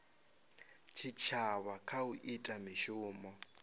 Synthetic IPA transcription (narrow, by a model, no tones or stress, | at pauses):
t͡ʃʰit͡ʃʰaβakʰauʔitʼamiʃuːmɔ